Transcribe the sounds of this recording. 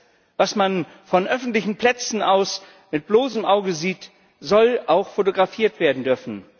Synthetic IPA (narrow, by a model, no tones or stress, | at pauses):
vasman | fɔnʔœfn̩tlɪçn̩pl̥ɛt͡sn̩aʊs | mɪt̚b̥loːsəmʔaʊɡəziːt | z̥ɔlʔaʊxfotoɡʁafiːɐtv̥eːɐdn̩dʏɐfn̩